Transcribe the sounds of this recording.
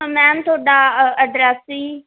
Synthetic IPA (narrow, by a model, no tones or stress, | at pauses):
mɛːmt̪ʰoːɖaːəɖɾɛsiː